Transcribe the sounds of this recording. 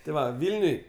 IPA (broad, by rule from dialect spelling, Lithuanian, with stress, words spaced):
tʲɪ ˈʋɐ ˈʋʲɪlʲnʲʊj